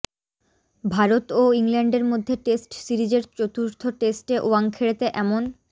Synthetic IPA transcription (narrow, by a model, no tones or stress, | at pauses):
bʱaɾot̪oiŋlɛɳɖeɾmod̪ʱːeʈesʈsiɾid͡ʑeɾt͡ɕot̪uɾt̪ʰoʈesʈeʔuaŋkʰeɽet̪eʔɛmon